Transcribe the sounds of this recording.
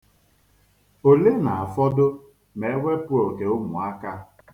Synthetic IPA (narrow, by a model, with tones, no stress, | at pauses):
o˨le˦na˨a˨fɔ˦dʊ˦ | me˨˦wʷe˦pʊ˦o˨ke˨ʊ˦mʊ˨a˦ka˦